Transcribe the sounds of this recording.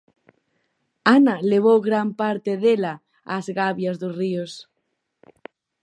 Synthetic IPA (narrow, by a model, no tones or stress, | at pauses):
analeβ̞owɣɾampaɾt̪eðela | a̰zɣaβjazðosrios